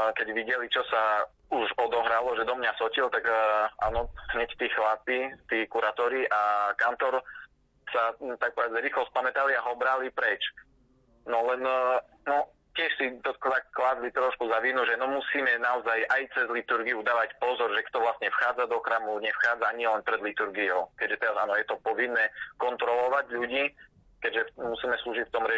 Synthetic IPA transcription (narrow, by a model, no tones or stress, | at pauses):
kɛɟʋiɟɛlit͡ʃɔsa | uʒɔd̪ɔɦɾalɔʒɛd̪ɔmɲasɔcilt̪aɡa̰ːnɔɦɲɛct̪iːxlapit̪iːkuɾaːt̪ɔɾiʔakant̪ɔɾ | sat̪ak̚pɔʋɛd͡zɾiːxlɔspamɛt̪aliaɦɔbɾalipɾɛt͡ʃ | nɔlɛn | nɔ | cɪɛʃsit̪ɔkt̪akːlad͡zlit̪ɾɔʃkuzaʋinuʒɛnɔmusiːmɛnaɔzajʔajt͡sɛzlit̪uɾɡiud̪aːʋacpɔzɔɾʒɛkt̪ɔʋlasɲɛfxaːd͡zad̪ɔxɾaːmuɲɛfxaːd͡zaɲiɛlɛnpɾɛd̪lit̪uɾɡiɔʊkɛɟʒɛt̪ɛɾazaːnɔjɛt̪ɔpɔʋinːɛːkɔnt̪ɾɔlɔʋaɟʎuɟiː | kɛɟʒɛmusiːmɛsluːʒicft̪ɔmɾɛ